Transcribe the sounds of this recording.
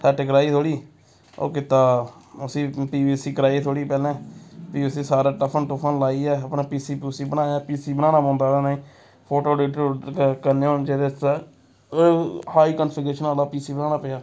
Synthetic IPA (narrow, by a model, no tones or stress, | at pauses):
t̪ʰɛːʈeɡəɾaːiːt̪ʰoːɽiː | o̰ːkɪt̪aːəsĩːpiːbiːsiːkəɾaːiːt̪ʰoːɽiːpɛːlɛ̃ːpiːsĩːsaːɾaːʈəpʰənʈopʰənlaːiːɛːəpnaːpiːsiːpiːsiːbənaːaːpiːsiːbənaːnaːbõːnd̪aːɾaːnaːĩː | pʰoːʈoːɖeːʈːkəɾneːoːd͡ʒeːɾe | haːiːkənfəɾɡeːʃənaːlaːpiːsiːbənaːnaːpeːjaː